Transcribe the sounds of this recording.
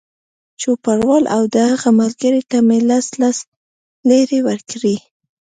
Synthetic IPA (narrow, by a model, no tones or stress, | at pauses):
t͡ʃopaɽwɑlʔawd̪əhaɣamalɡəɾeʈ̪amelaslas | leɾewəɾkɽi